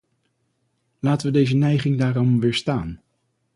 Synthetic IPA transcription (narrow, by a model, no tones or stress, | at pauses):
laːtəʋədejzənɛjχɪŋdaːɹɔmʋɪːɹstaːn